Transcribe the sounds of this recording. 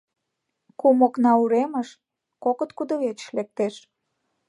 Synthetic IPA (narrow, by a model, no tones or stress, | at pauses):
kumoknɑuɾeməʃ | kokət̪kud̪ə̆βet͡ʃʃlek̚t̪eʃ